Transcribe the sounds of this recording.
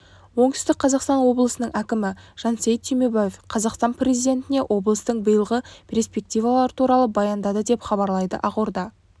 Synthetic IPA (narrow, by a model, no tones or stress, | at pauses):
wo̞ɴt̪ʏst̪ɪk̚qʰɑzɑqst̪ɑnwo̞blˠəsənəɴækʲɪmɪʒ̥ɑnsejt̪t̪ʰejmebajefqʰɑzɑqst̪ɑnprʲezijd̪e̞nt̪ɪne̞ʔo̞blˠəst̪əɴbəjəlˠʁəpʰʲerspe̞k̚t̪ijvɑlˠɑɾt̪ʰuɾɑlˠəbɑjɑnd̪ɑd̪əd̪e̞pχɑβɑɾlˠɑjd̪ə̰ʔɑqoɾd̪ɑ